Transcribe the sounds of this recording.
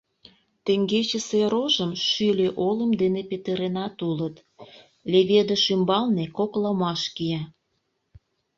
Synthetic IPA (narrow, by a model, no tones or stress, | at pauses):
t̪eŋɡet͡ɕeseɾoʒəmʃylʲeʔoləmd̪enepet̪əɾenɑt̪ulət̪ | lʲeβed̪ə̆ʃymbɑlnekoklɑmɑʃkiɑ